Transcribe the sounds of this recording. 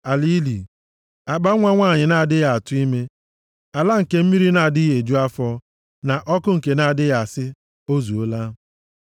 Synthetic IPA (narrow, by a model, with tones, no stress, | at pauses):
a˨li˦li˨ | a˨ɡ͡ba˦ŋʷa˦ŋʷaː˦˨ɲɪ˨na˨a˨dɪ˦ɣa˨a˨tʊ˦i˦me˦ | a˨la˦ŋ̩˨ke˨m̩˦mi˦ɾi˦na˨a˨di˦je˨d͡ʒu˦a˦fɔ˦ | na˨ʔɔ˦kʊ˦ŋ̩˨ke˨na˨a˨dɪ˦ɣa˨sɪ˦ | o˦zu˨o˦la˦